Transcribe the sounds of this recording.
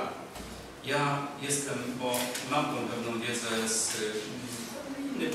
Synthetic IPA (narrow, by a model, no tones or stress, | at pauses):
jajɛst̪ɛmbɔmamt̪ɔ̃w̃pɛvnɔ̃w̃vʲjɛd̪zɛs | ɲɛ